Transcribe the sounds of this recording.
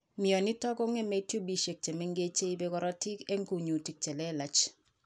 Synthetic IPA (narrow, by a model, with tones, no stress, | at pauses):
mi˨ɔ˨ni˦tɔ˦ko˦ŋe˦me˨˦tjo˦bi˦ʃe˨k̚t͡ʃe˨me˦ŋɡe˦t͡ʃe˦i˦be˦kɔ˦ɾɔ˦ti˦ke˦ŋ˦ku˨ɲu˨ti˨k̚t͡ʃe˨lɛ˦la˨t͡ʃ